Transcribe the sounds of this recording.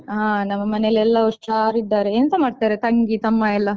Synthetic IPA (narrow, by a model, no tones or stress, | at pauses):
ɦaːnɐmːɐmɐnelːɛlːɐɔʂʈaːɾid̪ːaːɾeeːnɐnt̪ɐmaːɖt̪aːɾet̪ɐŋɡit̪ɐmːaɛlːɐ